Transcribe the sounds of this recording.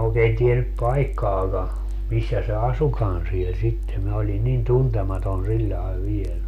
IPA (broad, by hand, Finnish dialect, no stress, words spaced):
oˑekeːn tienyp pɑikːɑːkɑ misːæ se ɑsukɑn siel sitːe minæ oli nin tuntemɑton silʲːɑe ʋiel